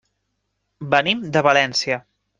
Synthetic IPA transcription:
bənimd̪əβəlɛnsiə

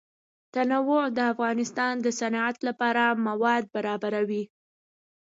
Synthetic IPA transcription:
t̪anawod̪əafɣɑnɪst̪ɑnd̪əsanɑat̪lapɑɾamawɑd̪̚baɾɑbaɾawi

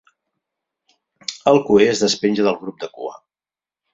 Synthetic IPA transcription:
əlˠkueəzðəspenʲʒəðəlˠɣɾub̚d̪əkṵa̰

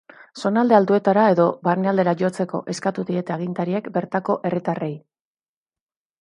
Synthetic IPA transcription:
so̞nald̪e̞ald̪ue̞t̪aɾae̞ðo̞βarneald̪eɾaʝo̞t͡se̞ko̞̰ʔe̞skat̪uðie̞t̪e̞aɣ̞int̪aɾie̞kbe̞ɾt̪ako̞ʔe̞rit̪are̞j

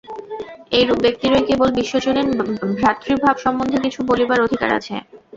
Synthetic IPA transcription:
ejɾubbek̚t̪iɾoekebolbiʃːod͡ʑoneɾbʱɾat̪ːɾibʱabʃɔmːond̪ʱekit͡ɕʰubolibaɾod̪ʱika̰ɾa̰t͡ɕʰḛ

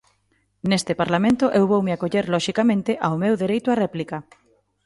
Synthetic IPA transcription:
nest̪ɪpaɾlamẽnt̪ʊʔewβowmeakoʎeɾlɔʃikamẽnt̪ɪʔawmewðeɾejt̪ʊarɛplikɐ

